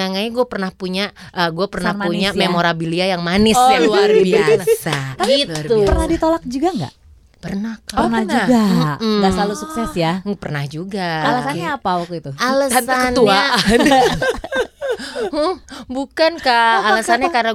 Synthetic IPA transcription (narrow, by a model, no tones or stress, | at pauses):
aŋaɲaɡuapərnahpuɲa | ʔəɡuapərnahpuɲamemoɾabiliajaŋmanɪsaluarbiasaiupərnahdit̪olak̚d͡ʒuɡaŋɡa̰ʔ | pərnak̚nand͡ʒɡam̩ŋɡasalusuksɛsjapərnahd͡ʒuɡaalasanɲaːpawak̚t̪uit̪ualasakənua | bukankaːlasanɲakarna